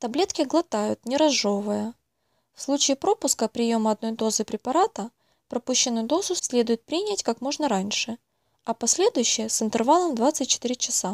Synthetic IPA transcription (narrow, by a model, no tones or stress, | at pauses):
t̪ɐblʲe̞t̪kʲɪɡlˠɐt̪ajʊt̪nʲɪɾɐzʐovɨjə | fslˠut͡ɕɪːpɾo̞pʊskəpɾʲɪjo̞məɐd̪̚no̞jd̪o̞zɨpɾʲɪpɐɾat̪ə | pɾɐpuɕːɪnːʊjʊd̪o̞zʊsʲlʲed̪ʊjɪt̪̚pɾʲinʲatʲkakmo̞ʐnəɾanʲʂɨ | ɐpɐsʲlʲe̞d̪ʊjʉɕːɪjəsɨnt̪ɨrvalˠəmd̪vat̪sɨt̚ʲt͡ɕːɪ̥t̪ɨɾʲɪt͡ɕɪsa